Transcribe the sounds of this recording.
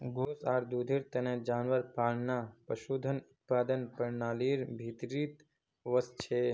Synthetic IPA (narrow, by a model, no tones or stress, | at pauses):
ɡʱoːsaːɾd̪uːd̪ʱiɾt̪ɐned͡ʒaːnʋəɾpaːɽnapəʃuːd̪ʱənʊt̪̚paːd̪ənpəɾnaːliːɾbʱit̪ɾit̪ | ʋəst͡ʃʰe